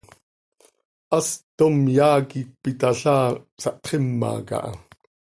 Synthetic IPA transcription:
ʔɐst̪omjaːkik̚pit̪aɬaːsɑʔt̪χemːɑ̰ːkɑ̰ʔɑ̰

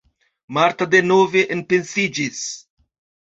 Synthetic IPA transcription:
maɾt̪ad̪enoveʔenpensid͡ʒis

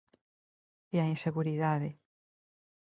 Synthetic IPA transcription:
iainseɣuɾiðaðe

